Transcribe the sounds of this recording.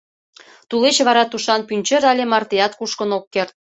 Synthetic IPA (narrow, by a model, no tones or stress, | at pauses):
t̪ulet͡ɕβɑɾɑt̪uʃɑnpynʲt͡ɕĕɾɑlʲemɑrt̪ejɑt̪kuʃkə̆nokːert̪̚